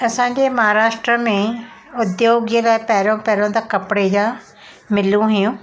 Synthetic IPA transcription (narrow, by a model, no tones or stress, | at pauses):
ɐsãːɲd͡ʑemɐɦaɾaːʃʈɾəmẽ | ʊd̪joːɡəlaːɪpɐɦɪɾõpɛɦɾõd̪akɐpɽed͡ʑaː | mɪljũɦʊjũ